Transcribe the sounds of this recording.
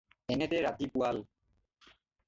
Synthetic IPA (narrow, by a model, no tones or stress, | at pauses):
ɛnet̪eɹat̪ipual